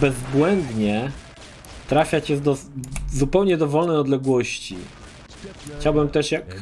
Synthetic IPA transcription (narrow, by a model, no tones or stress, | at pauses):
bɛzbwɛnd̪ɲɛ | t̪ɾafʲjat͡ɕɛd̪ɔzupɛwɲɛd̪ɔvɔlnɛjɔd̪lɛɡwɔɕt͡ɕḭ | xt͡ɕawbɘmt̪ɛʂjak